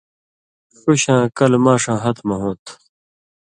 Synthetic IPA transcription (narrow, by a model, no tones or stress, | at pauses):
ʂuɕãːkɐlmaːʂãːɦɐt̪mɐɦõːt̪ʰ